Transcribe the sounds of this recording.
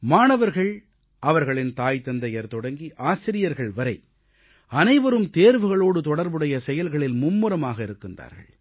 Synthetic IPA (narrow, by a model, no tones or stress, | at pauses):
maːnɐʋɐɾɣɐɭ | ʔɐʋɐɾɣɐɭɪnt̪aːjt̪ːɐnd̪ɐjɐɾt̪ɔɽɐŋɡiʔaːsɪɾɪjɐɾɣɐɭʋɐɾɐɪ | ɐnɐɪʋɐɾɯmt̪eːɾʋɯɣɐɭoːɽɯt̪ɔɽɐɾbɯɽɐjɐsɛjɐlɣɐɭɪlmʊmːɯɾɐmaːɣɐɪɾɯkːɪndra̰ːɾɣɐ̰ɭ